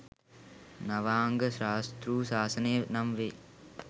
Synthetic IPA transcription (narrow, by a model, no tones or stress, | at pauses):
nɐʋaːŋɡəʃaːst̪ɾuːsaːsɐneːnɐmʋeː